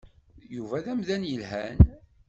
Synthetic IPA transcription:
juvæðæmðænjəlhæn

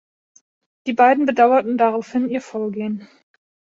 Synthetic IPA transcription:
d̥iːbaɪdn̩bədaʊɐtn̩daʁaʊfhɪniːɐfoːɐɡeːən

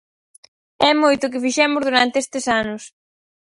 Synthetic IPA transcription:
ɛmojt̪ʊk̬ɪfiʃɛmʊzðuɾant̪eest̪esanʊs

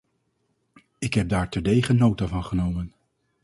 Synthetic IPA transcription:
ɪkɦɛp̚daːɹtɛɹdejχənːowtavɑnχənowmən

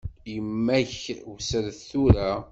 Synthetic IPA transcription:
jəmːæçwsəɾθuɾæ

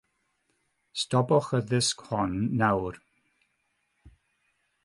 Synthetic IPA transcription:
stɔbɔχəðɪskhɔnːawr

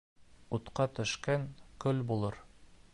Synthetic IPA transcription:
ut̪qɑt̪ɵ̆ʃkæŋkɵlbulˠɤɾ

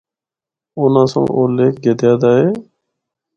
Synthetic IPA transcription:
oːnãːsã̰ːʔoːleːk̚ɡed̪ɪjaːd̪aːɦeː

